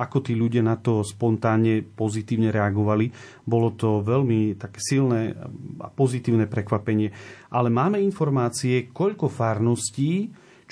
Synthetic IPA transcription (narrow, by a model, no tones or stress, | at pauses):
akɔt̪iːʎuɟɪanat̪ɔspɔnt̪aːnɲɛpɔzit̪iːʊɲɛɾɛaɡɔʋali | bɔlɔt̪ɔʋɛʎmit̪akɛːsilnɛːa̰pɔzit̪iːʊnɛːpɾɛkʋapɛɲɪɛʔalɛmaːmɛinfɔɾmaːt͡siɛkɔʎkɔfaːɾnɔsciː | t͡ʃ